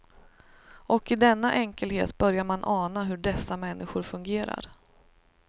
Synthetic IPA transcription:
ʔɔkɪd̪ɛnːaʔɛŋkəlhḛːt̪bœɾjaɾmanʔɑːnaɦɵɖɛsːamɛnːʔɪɧʊɾfɵŋɡeːɾa̰ɾ

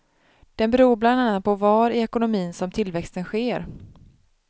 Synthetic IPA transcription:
d̪̥ɛnbɛɾuːɾbland̪anːat̪̚pʰɔvɑːɾɪɛkʊnʊmiːnsɔmt̪ʰɪlvɛkst̪ənɧeːɾ

